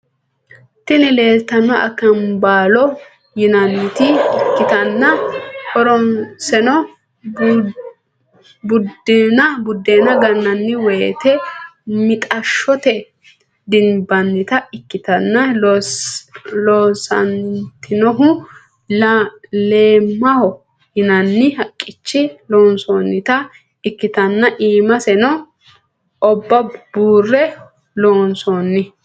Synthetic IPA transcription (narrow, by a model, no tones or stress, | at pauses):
t̪ɪnɪle̞ːlt̪ɐnːɔʔɐ̰kːɐnbaːlɔ | jɪnɐnɪt̪ɪɪkːɪt̪ɐnːɐhɔɾɔnsɛnɔ | bʊdɪnɐbʊd̪ːeːnɐɡɐnːɐnːɪwɔjet̪ɛmɪt̪ʼɐʃɔt̪ɛ | d̪ɪnbɐnːɪt̪ɐɪkːɪt̪ɐnːɐ | loːsɐ̰nt̪ɪnɔɦʊ | le̞ːmːɐhɔ | hɪnɐnːɪhɐkʼːɪt͡ʃːɪloːnsoːnːɪt̪ɐ | ɪkːɪt̪ɐnːɐʔiːmɐsɛnɔ | ʔɔbːɐbuːrːɛ | loːnsoːnːɪ